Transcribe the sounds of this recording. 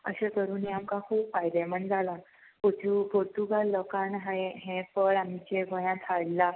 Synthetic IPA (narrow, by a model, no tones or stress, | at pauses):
ə̰ɕekəɾuːniamkakʰuːbfajd̪emənd͡zʱala | poʈupoɾʈuɡalːɔkanɦaeɦẽfəɾam̤it͡ɕebʱəjãt̪ʰaɭla